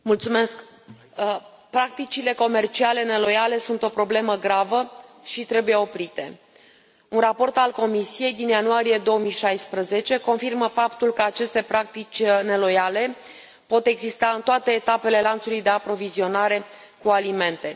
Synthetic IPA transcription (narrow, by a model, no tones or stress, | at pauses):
mult̪sume̞sk | pɾak̚t̪it͡ʃile̞ko̞me̞rt͡ʃiale̞ne̞lo̞jale̞sunt̪o̞pɾo̞ble̞məɡɾavəʃit̪ɾe̞buje̞o̞pɾit̪e̞̰ | unrapo̞rt̪alko̞misije̞jd̪injanuaɾije̞d̪o̞omiʃajspɾəze̞t͡ʃe̞ko̞nfirməfapt̪ulkəat͡ʃe̞st̪e̞pɾakt̪it͡ʃʲne̞lo̞jale̞ | po̞t̪e̞ɡzist̪aɨnt̪oat̪e̞ːt̪ape̞le̞lant̪sulujd̪e̞apɾo̞vizio̞naɾe̞ | kualime̞nt̪e̞